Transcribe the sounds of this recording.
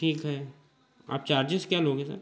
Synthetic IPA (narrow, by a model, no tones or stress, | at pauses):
ʈʰiːkɦɛː | a̰ːp̚t͡ʃaːɾd͡ʒɪskjaloːɡɦɛsɐ̰ɾ